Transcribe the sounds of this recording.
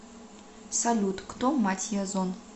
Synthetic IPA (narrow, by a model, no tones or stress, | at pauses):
salʲut̪kt̪omatʲʰiazon